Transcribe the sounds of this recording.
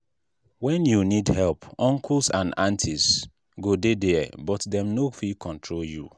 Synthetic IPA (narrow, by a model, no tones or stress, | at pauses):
wɛ̃njunidhɛlpɔ̃ŋkʰulsãnãntʰis | ɡodedɛbɔtdɛ̃mnofikʰɔ̃ntʰɹoljṵ